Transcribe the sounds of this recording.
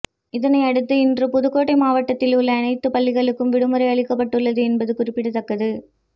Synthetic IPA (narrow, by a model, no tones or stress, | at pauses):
ɪðɐnɐɪɐɽɯt̪ːɯɪndrɯpɔðɯkːoːʈːɐɪmaːʋɐʈːɐt̪ːɪlʊɭːɐɐnɐɪt̪ːɯpɐɭːɪɣɐɭɯkːɯmʋɪɽɯmɯɾɐɪɐɭɪkːɐpːɐʈːɯɭːɐðɯɛnbɐðɯkʊrɪpːɪɽɯt̪ːɐkːɐðɯ